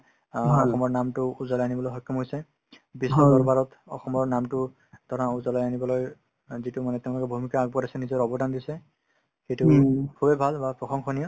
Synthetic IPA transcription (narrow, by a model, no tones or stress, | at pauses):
ɔxɔmɔɹnamtʊuzalɔjanibɔlojɦɔkːɔmɦojsɛ | bisɔdɔɹbaɹɔtɔ̰xɔmɔɹnamtʊ | d̥ʱɔɹãuzalɔjanibɔlɔj | zitumanɛtɛʊ̃lʊkɛbʱumikaːɡ̚bɔdasɛnizɔɹɔbɔdandisɛ | xejtʊkʰubɛbʱalbapɹɔxɔŋxʰɔnijɔ